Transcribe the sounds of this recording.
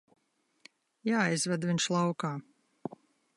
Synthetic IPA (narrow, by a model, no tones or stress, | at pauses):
jaːajzvad̪viɲʃlˠawkaː